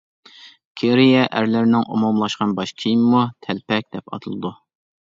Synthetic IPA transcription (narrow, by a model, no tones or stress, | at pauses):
kʲʰeɾijɛʔæɾlɪɾnɪŋʔomɑmlˠɑʃqɑnbɑʃkʲʰijimmut̪ʰɛlpɛk̚ʲd̪̥ɛpɑ̰t̪ʰɨlˠɨd̪u